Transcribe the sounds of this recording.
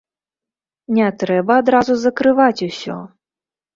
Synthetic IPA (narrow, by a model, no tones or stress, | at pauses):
nʲɛt̪ɾɛbɐːd̪ɾazuzɐkɾɨvat͡sʲusʲɔ̰